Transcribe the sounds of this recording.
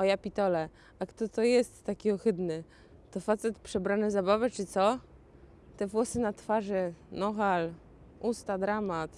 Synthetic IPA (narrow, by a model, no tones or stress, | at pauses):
ɔjapʲit̪ɔlɛ | akt̪ɔt̪ɔjɛst̪ːakʲiɔxɘd̪nɘ | t̪ɔfat̪sɛt̪pʂɛbɾanɛzabavɘt͡ʂɘt̪sɔ | t̪ɛvwɔsɘnat̪faʐɘnɔxal | ust̪ad̪ɾamat̪